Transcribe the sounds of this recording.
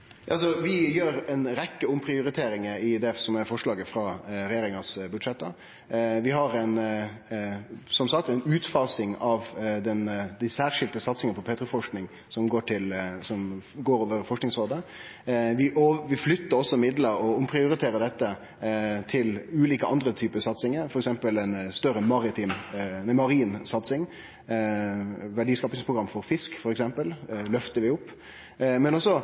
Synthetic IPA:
jɑs̬ɔʋɪjøːɾɛɪnɾɛkːəʊmpʰɾɪʊɾɪt̪ʰeːɾɪŋəɪd̪ɛsɔmæfɔʂɭɑːɡəfɾɑɾɛjeːɾɪŋɑsbʉd̪ʂɛt̪ːə̰ɾ | ʋɪɦɑɾɛɪn | sɔmsɑk̚t̪ɛɪnʉːt̪fɑːsɪŋɑʋd̪ɛnd̪æɪsæːɾʂɪlt̪əsɑt̪sɪŋənəpʰɔpʰeːt̪ɾʊfɔʂknɪŋ | sɔmɡoːʈʰɪlsɔmɡoːɾoːʋəɾfɔʂknɪŋsʁoːd̪ə | ʋɪʔoʋɪflʏt̪ːəɾɔsːɔmɪd̪ləɾɔʊmpʰɾɪʊɾɪt̪ʰeːɾəd̪ɛt̪ːə | t̪ʰɪlʉːliːkəʔɑnd̪ɾət̪ʰyːpəsɑt̪sɪŋəɾfɔɾɛksɛmpəlɛnst̪œɾəmɑɾɪt̪ʰiːmmɑɾiːnsɑt̪sɪŋ | ʋæɖiːskɑːpɪŋspʰʁʊɡɾɑmːfɔɾfɪskfɔɾɛksɛmpəllœft̪əɾʋɪʊpː | mɛnɔsːɔ

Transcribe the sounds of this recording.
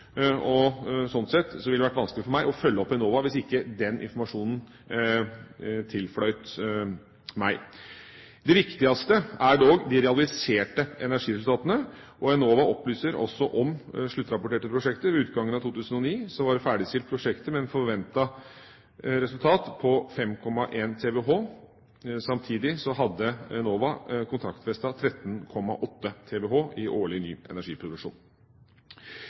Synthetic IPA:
ɔsɔnt̪sɛt̪ːsɔʋɪld̪ɛʋæʈːʋɑnsklɪfɔɾmæɪʔɔfœlːəɔpːɛnoːʋɑʋɪsɪkːəd̪ɛnʔɪ̰nfɔɾmɑʂuːnən̩ | t̪ʰɪlflœʏt̪ | mæɪ | d̪ɛʋɪkt̪ɪɑst̪əæɖoːɡd̪ɪɾɛɑlɪseːʈəɛnæʂiːɾɛsʉt̪ɑːt̪ənə | ʔɔɛnoːʋɑʔɔplyːsəɾɔ̰sːɔʔɔmʂɭʉt̪ːɾɑpʊʈeːʈəpʰɾʊʂɛkt̪əʋɛʉːt̪ɡɑŋːənɑt̪uːt̪ʰʉːsənɔniːsɔmʋɑɾfæːɖɪst̪ɪlpʰɾʊʂɛkt̪əmɛɛːnfɔɾʋɛnt̪ɑ | ɾɛsʉlt̪ʰɑːt̪pʰɔfɛmkʰɔmːɑʔeːnt̪ʰeːʋɛɦoː | sɑmt̪ʰiːd̪ɪsɔɦɑd̪ːəɛnoːʋɑkʰʊnt̪ʰɾɑkt̪fɛst̪ɑt̪ʰɾɛt̪nkʰɔmːɑ̰ʔɔt̪ːət̪ʰeːʋɛɦoːʔɪʔoːɭɪnyːɛ̰næʂiːpʰɾʊd̪ʉkʂuːn

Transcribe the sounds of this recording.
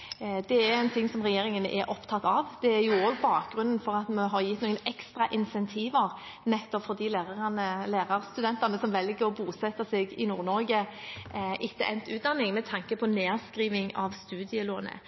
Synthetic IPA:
d̪ɛæɾɛɪnt̪ʰɪŋsɔmʁɛjeːɾɪŋənʔɛ̰ɾʔɔpt̪ʰɑt̪ːɑʋd̪̥ɛæɾjʊoːɡbɑːk̚ɡɾʉnnfɔɾɑt̪mɑɦɑɾjɪt̪nuːɡənɛkst̪ɾɑʔɪnsɛnt̪ʰiːʋəɾ | nɛt̪ːɔpfɔʁd̪iːleːʁɑnəleːʁɑɾst̪ʉd̪ɛnt̪ɑʁnəsɔmʋɛlɡəɾɔbuːsɛt̪ːɑsɛɡɪ̰nuːʁɾnɔɾɡə | ʔɪkːəʔɛ̰nt̪ʉːd̪ɑnːɪŋmɛt̪ʰɑŋkəpʰɔneːɾskɾiːʋɪŋɑ̰ʋst̪ʉːd̪ɪəloːnə̰

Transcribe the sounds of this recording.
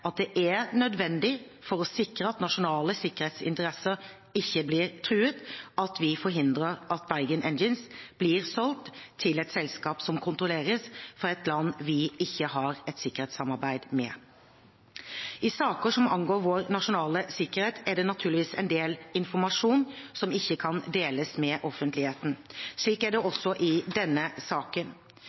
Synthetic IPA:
ɑt̪̚d̪ɛʔæɾnœd̪ʋɛnd̪ɪ | fɔɾɔsɪkɾəɑt̪nɑʂʊnɑːləsɪkːəɾheːt̪sɪ̰nt̪əɾɛsəɾ | ɪçːəblɪːɾt̪ʰɾʉːət̪ʔɑt̪ʋɪfɔɾɦɪnd̪ɾəɾʔɑt̪̚bæɪɡənʔɛnd͡ʒənsb̥lɪːɾsɔlt̪ʰːɪlɛt̪sɛlskɑːpsɔmkʰʊnt̪ɾʊleːɾəsfɔɾɛt̪lɑnːʋɪɪçːəɦɑɾɛt̪sɪkːəɾheːt̪sɑmɑɾbæɪd̪mɛ̰ | ɪsɑːkəʂɔmɑŋɡoːɾʋoːɾnɑʂʊnɑːləsɪkəɾheːt̪ʰæɖɛnɑt̪ʰʉːlɪʋiːsɛɪnd̪eːlɪnfɔɾmɑʂuːnsɔmɪçːəkʰɑnd̪eːləsmɛʔɔfənt̪lɪheːt̪n̩ʂɭiːkæɖɛʔɔsːɔʔɪd̪ɛnːəsɑːkən

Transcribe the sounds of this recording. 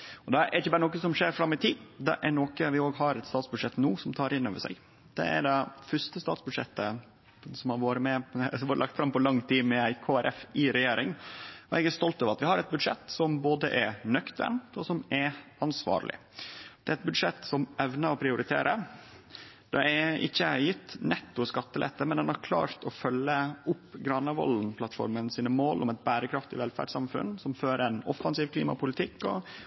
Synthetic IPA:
ɔd̪ɛʔɛɾɪçəbɑːɾəoːkəsɔmʂeːɾfɾɑmːɪt̪ʰiːd̪ɛ̰ʔæɾnoːkəʋɪoːɡɦɑɾɛt̪st̪ɑːt̪sbʉd̪ʂɛt̪ːnuːsɔmt̪ʰɑːɾʔɪnːoːʋəʂæ̰ɡ | d̪̥ɛ̰æ̰ɖɛfœʂt̪əst̪ɑːt̪sbʉd̪ʂɛ̰t̪ːə | sɔmhɑɾʋoːɾəmɛoːɾəlʔɑkt̪fɾɑmpɔlɑŋːt̪ʰiːmɛæɪkʰoːæɾʔɛfɪɾɛjeːɾɪŋɔɛɡæɾst̪ɔlt̪øːʋəɾɑt̪ʋɪhɑɾɛt̪̚bʉd̪ʂɛt̪ːsɔmboːd̪əʔɛɾnœkt̪ʋɛ̰nt̪ɔsɔmɛɑnsʋɑ̰ːɾlɪ̰ | d̪̥ɛɾɛt̪̚bʉd̪ʂɛt̪ːsɔmɛʋnəɔpʰɾɪʊɾɪt̪ʰḛːɾə | d̪̥ɛɛɪçːəjɪt̪ːnɛt̪ːʊskɑt̪ːəlɛ̰t̪ːəmɛnd̪ɛnɑɾkʰlɑ̰ːɾt̪ʰɔfœlːəʊpːɡɾɑnɑʋɔ̰lnpʰlɑt̪fɔ̰ɾmənsiːnəmoːlʔɔmɛt̪̚bæːɾəkʰɾɑft̪ɪʋɛlfæ̰ːɖsɑmfʉ̰nsɔmføːɾɛnɔ̰fːɑnsiːʋkʰlḭːmɑ̰pʊlɪt̪ʰɪkːɔ̰

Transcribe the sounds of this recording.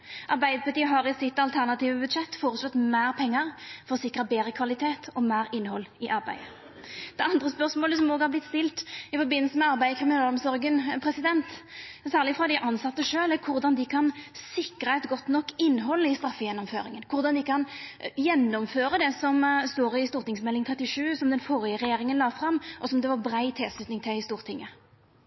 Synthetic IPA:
ʔɑʁbæɪd̪əpɑʁt̪iːəɦɑʁɪsɪt̪ːɑlt̪ʰæʁnɑt̪iːʋəbʉd̪ʂɛt̪ːfoːɾəslɔt̪mæːʁpʰɛŋːəʁfɔʁɔsɪkːʁəbeːʁəkʰʋɑlɪt̪ʰeːt̪ʰɔmæːɾɪnːhɔlːɪʔɑɾbæ̰ɪə | d̪̥ɛɑnd̪ʁəspœʁsmoːləsɔmoːɡhɑɾblɪt̪st̪ɪlt̪ɪfɔɾbɪnːəlsəmɛɑʁbæɪəkʰʁɪmɪnɑːlɔmsɔʁɡənpʰʁɛsɪd̪ɛnt̪sæːʁlɪfʁɑd̪æʔɑnsɑt̪ːəʂøːlækʰʊʁd̪ɑnd̪ɪkʰɑnsɪkɾəɛt̪ɡɔt̪ːnɔkːɪnːɦɔlːəɪst̪ɾɑfːəjɛnːɔmføːɾɪŋənkʰʊʁd̪ɑnd̪ɪkʰɑnjɛnːɔmføːɾəd̪ɛsɔmst̪oːɾɪst̪uːʁt̪ɪŋsmɛlːɪŋt̪ʰʁɛt̪ːɪʂʉːsɔmd̪ɛnfɔɾɪjəʁɛjeːɾɪŋənlɑːfɾɑmːʔɔsɔmd̪ɛʋɑʁbɾæɪt̪ʰɪlslʉt̪nɪŋt̪ʰɪlɪst̪uːʁt̪ʰɪŋːə

